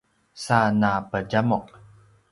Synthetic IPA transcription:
sanapəɟamɔq̚

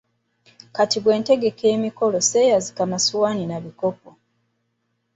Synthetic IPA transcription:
katiɡwe̞ːnte̞ɡe̞kʰe̞ːmiko̞lo̞se̞jazikamasuwaːninaβiko̞p̚o

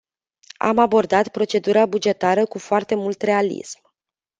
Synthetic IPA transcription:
a̰mabo̞rd̪at̪pɾo̞t͡ʃe̞d̪uɾabud͡ʒe̞t̪aɾəkufoart̪e̞mult̪re̞alḭsm

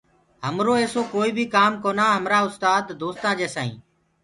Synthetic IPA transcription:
ɦəmɾoːeːsoːkoːiːbʱiːkaːmkoːnaːɦəmɾaːʊst̪aːd̪ːoːst̪ãːd͡ʒeːsaːḭ̃ː

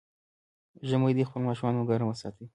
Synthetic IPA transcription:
ʒəmojd̪ixpəlmɑʃumɑnoɡɑɾamwəsɑt̪i

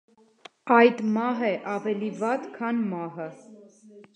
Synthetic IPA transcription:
ɑjd̪mɑɦɛʔɑvɛlivɑt̪kʰɑnmɑɦə

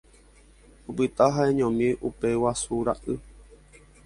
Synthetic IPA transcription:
opɨt̪aɦaẽɲõmĩʔupe̞wasuɾa̰ʔɨ

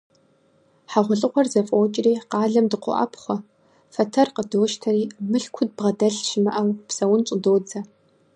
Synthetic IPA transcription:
ħaʁʷʊɬʼɨqʷɔrzɐfʼoːt͡ʃʼɪriːqɑːɮɐmdɨqʷʊ̰ʔɐ̰pʰχʷɔ | fɐtʰɐrqədoːʃtʰɐriːmɨɬkʷʰʊd̚bʁɐdɐɬʃɪmɐ̰ʔɐwpsɐwʊnt͡ʃʼʊdoːd͡zɐ

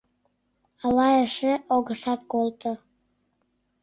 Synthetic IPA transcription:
ɑlɑjəʃeʔoɣəʃɑt̪kolˠt̪o

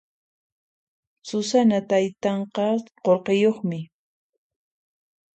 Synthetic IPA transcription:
sʊsanat̪ajt̪ɑɴqɑqoɾqejoχmɪ

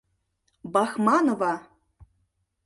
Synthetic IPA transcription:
bɑxmɑnovɑ

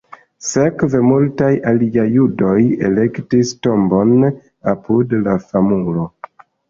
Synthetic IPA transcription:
se̞kvemultajaliajːudo̞je̞̰le̞ktisto̞mbo̞n | apudlafamulo̞

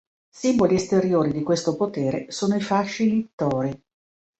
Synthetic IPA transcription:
simboliest̪eɾjoːɾid̪ikwest̪opot̪eːɾḛsoːnoifaʃːilit̪ːɔːɾi

